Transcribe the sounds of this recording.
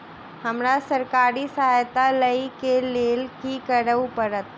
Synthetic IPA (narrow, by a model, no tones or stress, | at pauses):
həmɾasəɾkaɾisəɦajt̪aləikelelkikəɾəʋupəɾət̪